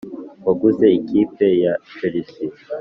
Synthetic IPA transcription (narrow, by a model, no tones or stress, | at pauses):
kaɡuzeikipejafelisi